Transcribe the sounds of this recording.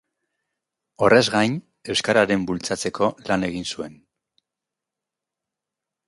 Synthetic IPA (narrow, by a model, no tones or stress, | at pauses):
o̞re̞zɣajn | e̞wskaɾaɾe̞mbult͡sat͡se̞kʰo̞lane̞ɣ̞insue̞n